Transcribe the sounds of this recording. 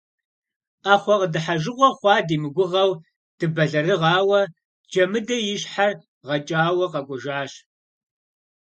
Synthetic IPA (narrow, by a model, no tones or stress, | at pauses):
aːχʷɔqədɨħaʒɨqʷɔχʷɑːdiːmɨɡʷʊʁɐw | d̥ɨbɐɮɐrɨʁɑːwɐ | d͡ʒɐmɨdɐjɪɕħar | ʁɐt͡ʃʼaːwɐqɐkʷʼʊʒaːɕ